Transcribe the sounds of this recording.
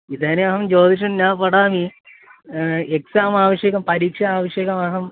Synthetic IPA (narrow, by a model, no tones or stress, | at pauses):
id̪aːneɐɦɐmd͡ʒoːd̪iʂ̬ɐmnaːpɐɽaːmi | eksaːmaːʋɐʂjekɐmpɐɾiːkʂɐaːʋɐʂjeːkɐmɐɦɐm